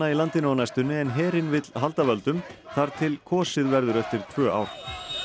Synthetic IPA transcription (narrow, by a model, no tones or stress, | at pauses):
ailant̪ɪnanajst̪ʏnːɪɛnɦɛːɾɪnvɪt̪lɦalt̪avœlt̪ʏmθaɾ̥t̪ʰɪlkʰɔːsɪðvɛɾðʏɾɛft̪ɪɾ̥t̪ʰv̥œːʔa̰wɾ̥